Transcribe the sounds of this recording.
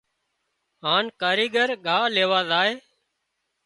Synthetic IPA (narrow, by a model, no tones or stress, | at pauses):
ɦaːnkaːɾiːɡəɾɠʱaːleːʋaːzaːɦeː